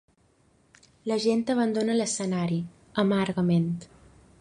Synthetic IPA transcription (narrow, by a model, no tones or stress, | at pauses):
ləʒent̪əβənd̪onələsənaɾi | əmaɾɣəment̪